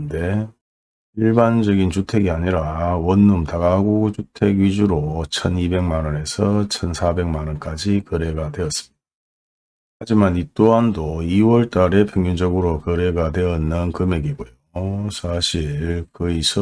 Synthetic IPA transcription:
nde̞ | iɭband͡ʑʌɡint͡ɕutʰe̞ɡiaɲiɾawʌnːumtaɡaɡot͡ɕutʰe̞ɡɥid͡ʑuɾot͡ɕʰʌnibe̞ŋmanʌne̞sʰʌt͡ɕʰʌnsʰabe̞ŋmanʌnk͈ad͡ʑikɯɾe̞ɡadwe̞ʌs͈ɯmɲid̥a | had͡ʑimanit͈oɦandoiwʌɭt͈aɾe̞pʰjeŋjund͡ʑʌɡɯɾokɯɾe̞ɡadwe̞ʌnːɯnkɯme̞ɡiɡojosʰaɕʰiɭkɯisʰʌ

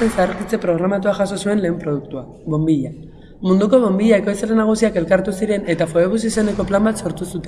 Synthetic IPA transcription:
ensaɾkit͡se̞pɾo̞ɣ̞ɾamat̪uaʝaso̞sue̞nle̞ːmpɾoðukt̪ua | βo̞mbiʎa | mund̪uko̞βo̞mbiʎaekojsaɾenaɣ̞usiake̞lkaɾt̪usiɾe̞ne̞t̪afoeβ̞usise̞ne̞ko̞plambat̪so̞ɾt̪usut̪e

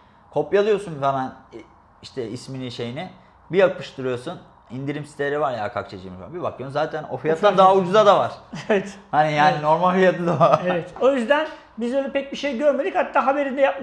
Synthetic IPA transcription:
kʰo̞pjalˠɯjo̞sunvamæn | iʃt̪ʰɛisminiʃe̞jini | bijak̚pɯʃt̪ʰɯɾɯjoɾsun | ind̪iɾimsi̥st̪ʰeeɾivaɾja̰kʰa̰k̚t͡ʃʰad͡ʒɯmiʃa̰bibak̪ɯonzaːt̪ʰæno̞̰fijat̪and̪aɦaud͡ʒuzad̪avaɾ̥evɛt̪hanijaːnino̞ɾmalʲfijat̪ʰɯd̪oevɛt̪o̞jyzd̪æn | bizbøːlʲɛpɛc̚biʃejɟøɾmed̪ichat̪ːaːɦabe̞ɾind̪ɛjap̚m

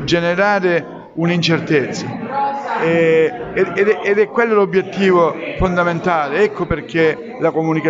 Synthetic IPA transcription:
d͡ʒeneɾaːɾɪ | unint͡ʃert̪et̪sːa | ɛ | d̪ɛʔed̪ɛkwelːolobjet̪ːiːvofond̪ament̪aːleɛkːoperke | lakomunika

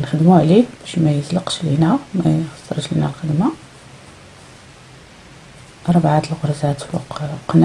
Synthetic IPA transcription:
nxəd̪muʕlibæʃmæjəzləqʃlinæmæxɑ̥sˤːɑɾˤʃlḭnælxəd̪ma | ɾˤbʕat̪əlɣʊɾˤzæt̪wɑ̰qqn

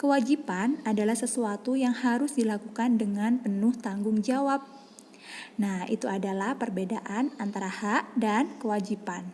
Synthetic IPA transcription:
kəwad͡ʒipanadalahsəsuat̪ujaŋhaɾʊsdilakukandəŋanpənʊht̪aŋɡʊŋd͡ʒawap̚ | nahḭt̪uadalahpərbedaʔanant̪aɾahaʔdankəwad͡ʒipan

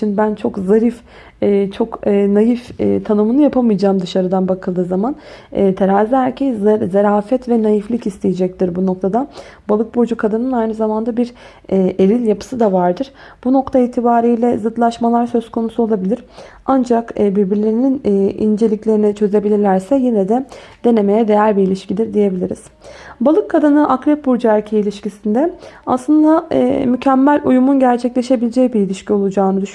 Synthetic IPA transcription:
inbænt͡ʃʰo̞kzaɾif | ɛt͡ʃʰo̞kːnajift̪ʰanɯmɯnɯjapʰamɯjd͡ʒaːmd̪ɯʃaɾɯd̪anbakʰɯlˠd̪ɯːzamanɛt̪ʰeɾaːziɦæɾcʰejzeɾaːfɛt̪vɛnajiflʲˠicist̪ʰejed͡ʒɛc̚t̪ʰiɾbuno̞kt̪ʰad̪a | balˠɯk̚bo̞d͡ʒukʰad̪ɯnɯnajnɯzamand̪abiɾː | elʲilʲjapʰɯ̥sɯd̪avaɾd̪ɯɾ̥ | b̥uno̞kt̪ʰaiːt̪ʰibaːɾijlʲɛzɯd̪lˠaʃmalˠaɾsø̞zkʰo̞nusuo̞lˠabilʲiɾ̥ | and͡ʒakːbiɾbiɾlʲeɾininːḭnd͡ʒe̞lʲiclʲe̞ɾinit͡ʃʰø̞ze̞bilʲiɾlʲæɾsɛjinɛd̪ɛd̪̥e̞ne̞me̞jɛd̪e̞jæɾʲbiilʲiʃcid̪ʲiɾd̪ije̞bilʲiɾḭz̥ | balˠɯkʰːad̪ɯnɯʔakɾɛp̚buɾd͡ʒæɾcʰeilʲiʃcisind̪ɛaslˠɯnd̪a̰mycʰæmːælʲujumunɟæɾt͡ʃʰɛclʲe̞ʃe̞bilʲed͡ʒɛjbiɾilʲiʃcʰio̞lˠud͡ʒaːnɯd̪yʃ

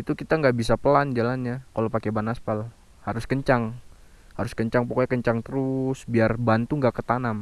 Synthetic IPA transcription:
it̪ukit̪aŋɡaʔbisapəland͡ʒalanɲakalopakebanaspal | haɾʊskəɲt͡ʃaŋ | haɾʊskəɲt͡ʃaŋpokoakəɲt͡ʃaŋt̪əɾʊsbiarbant̪uŋɡaʔkət̪anam

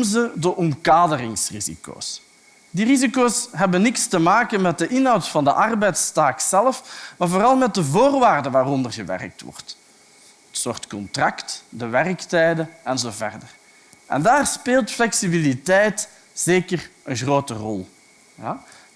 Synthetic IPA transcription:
zədəʔɔmkaːdərɪŋsrizḭko̰ːs | dirizikoːsɦɛbənːɪkstəmaːkənmɛt̚dəʔɪnɦɑwtfɑndə̰ʔɑrbɛjtstaːksɛləfmaːrvoːrɑlˠmɛt̚dəvoːrʋaːrdəʋaːrɔndərɣəʋɛ̰rək̚tʋɔ̰rt | ətsoːrtkɔntrɑktdəʋɛrəktɛjdəɛnzoːvɛ̰rdər | ʔɛ̰ndaːrspeːlˠtflɛksibilitɛjt | z̥eːkərʔənɣroːtərɔlˠ | ja

